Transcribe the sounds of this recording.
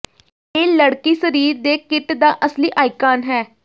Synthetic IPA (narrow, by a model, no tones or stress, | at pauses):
eːləɽkiːsəɾiːɾd̪eːkɪʈd̪aːʔəsliːʔaːɪkaːnɦɛː